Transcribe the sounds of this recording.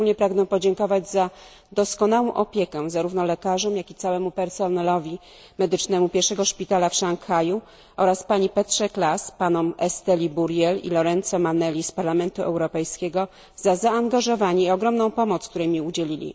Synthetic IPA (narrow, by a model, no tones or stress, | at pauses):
ulɲɛpɾaɡnɛpɔd͡ʑɛŋkɔvad͡ʑza | d̪ɔskɔnawɔ̃w̃ʔɔpʲjekɛzaɾuvnɔlɛkaʐɔmjakʲit̪sawɛmupɛɾsɔnɛlɔvʲi | mɛd̪ɘt͡ʂnɛmupʲjɛɾʂɛɡɔʂpʲit̪alafʂaŋkxaju | ʔɔɾaspaɲipɛt̪ʂɛklaspanɔmɛst̪ɛlʲibuɾjɛlḭlɔɾɛnt̪sɔmanɛlʲispaɾlamɛnt̪uʔɛ̰wɾɔpɛjskʲeɡɔ | z̥azaːŋɡaʐɔvaɲɛiɔɡɾɔmnɔ̃w̃pɔmɔt̪skt̪uɾɛmʲiud͡ʑelʲilʲḭ